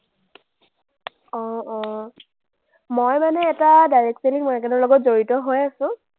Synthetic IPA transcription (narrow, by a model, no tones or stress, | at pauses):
ɔ̃ɔ̃ | mojmanɛːtadajɹɛksenikmɔɛkɛnɔɹlɔɡɔt̚zoɹitɔɦojasʊ̃